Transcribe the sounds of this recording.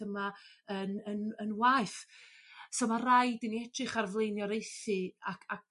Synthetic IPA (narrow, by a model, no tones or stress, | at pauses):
əmaənənənwajθ | sɔmarajdəniɛtʰrɨχarvlˠejnjɔɾejθɨakʰak̚